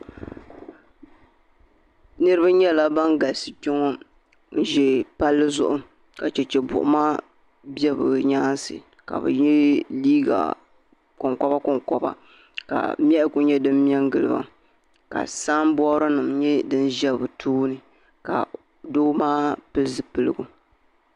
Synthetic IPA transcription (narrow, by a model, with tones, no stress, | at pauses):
nɨ˦ɾɨ˦ba˦ɲɛ˦la˦ba˦nɡa˨sɨ˨tʊ˦ŋɔ˦ | n̩˦ʒɛ˨pa˦lːɨ˦zʊ̰˦ʔʊ˦ | ka˨t͡ʃɛ˨t͡ʃɛ˨bʊ̰˨ʔʊ̰˨maː˦ | bɛ˦bɨ˨ɲaː˦nsɨ̰˨ | ka̰˨bɨ̰˨ɲɛ˦liː˦ɡa̰˨ | kʊ˨ŋkɔ˦ba˦kʊ˨ŋkɔ˨ba̰˨ | ka̰˨m˦ɛ˦ʔɪ˦˨kʊ˦ɲɛ˦dɨ˦m˦m˦ɛ˦ŋɡɨ˨lɨ̰˨ba̰˨ | ka̰˨saː˦mbɔ˦ɾɨ˦nɨ˨mɲɛ˦dɨ˦n˦ʒɛ˦˨bɨ˨tʰuː˦nɨ˨ | ka̰˨ | doː˦maː˦pɨ˦lzɨ˦pɨ˦lɨ˦ɡu˦